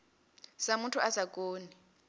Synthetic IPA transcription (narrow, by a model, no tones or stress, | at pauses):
samuntʰuazak̬ʼoːni